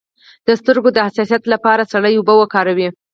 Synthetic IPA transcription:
d̪̥əst̪əɾɡod̪əhasɑsijat̪lapɑɾasaɽəjʊbəwəkɑɾawi

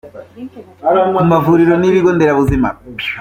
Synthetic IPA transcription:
umavuɾiɾɔniɾikɔndɛɾaβuzima̰

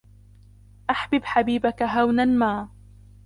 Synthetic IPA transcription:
ʔaħbɪbħabiːbakaɦawnanmaː

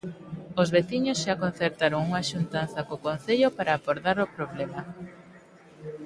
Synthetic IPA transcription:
ozβeθiɲosʃakon̟θeɾt̪aɾoŋuŋaʃunt̪an̟θɐkokon̟θeʎopaɾaːβoɾðaɾopɾoβlema

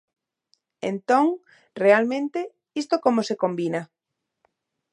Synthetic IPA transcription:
ḛnt̪õŋ | realmẽnt̪e | ist̪okomosekombina

